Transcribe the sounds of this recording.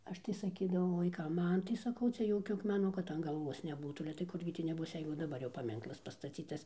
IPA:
ˈɐʃ tɐɪ sɐˈkʲiːdɐʋɐʊ ʋɐɪˈkɐm ˈmɐn tɐɪ sɐˈkɐʊ ˈt͡sʲɛ ˈjoːkʲʊ ɐkmʲɛˈnʊ kɐt ɐn ɡɐlˠˈʋuɔs nʲɛˈbuːtuː ɐlʲɛ tɐɪ ˈkʊrʲɡʲɪ tʲiː nʲɛˈbʊs ˈjɛɪɡʊ dɐˈbɐr jɛʊ pɐˈmʲɪŋklˠɐs pɐstɐˈt͡sʲiːtɐs

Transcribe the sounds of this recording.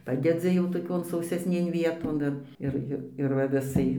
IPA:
ˈpɑːdʲɛd͡zʲɪ jɛʊ toːˈkʲoːn sɐʊsʲɛsʲˈnʲeːn ˈʋʲiɛtoːn ɪr ˈɪr ˈɪr ɪr ʋɐ ʋʲɪˈsɐɪ

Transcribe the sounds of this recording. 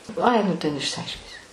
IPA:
ˈɐɪ nʊ ˈtʲɛn ɪʃʲsʲɪˈɐɪʃʲkʲɪnʲsʲɪ

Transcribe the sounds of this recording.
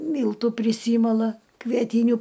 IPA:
ˈmʲiːlˠtuː pʲrʲɪˈsʲiːmɐlˠɐ kʋʲiɛˈtʲiːnʲʊ

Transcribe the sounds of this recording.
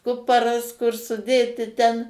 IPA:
ˈkʊpɐrɐs kʊr sʊˈdʲeːtʲɪ tʲɛn

